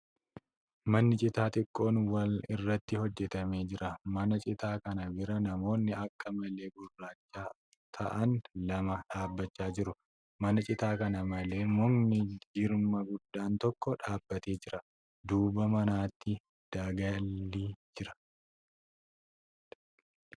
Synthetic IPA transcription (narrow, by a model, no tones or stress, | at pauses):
mɐnːɪt͡ʃʼɪt̪aːt̪ɪkʼːo̞ːnwɐlɪrːɐt̪ːɪhɔd͡ʒːɛt̪ɐme̞ːd͡ʒɪɾʔɐmɐnɐt͡ʃʼɪt̪aːkɐnɐbɪɾɐnɐmo̞ːnːɪʔɐkːɐmɐle̞ːbʊrːaːt͡ʃːaː | t̪ʰɐ̰ʔɐnlɐmɐᶑaːbːɐt͡ʃːaːd͡ʒɪɾʊ | mɐnɐt͡ʃʼɪt̪aːkɐnɐmɐle̞ːmʊŋnɪd͡ʒɪɾmɐɡʊd̪ːaːnt̪ɔkːɔᶑaːbːɐt̪e̞ːd͡ʒɪɾɐ | d̪uːbɐmɐnaːt̪ʰːɪ | d̪̥aːɡɐlːiːd͡ʒɪɾɐ̥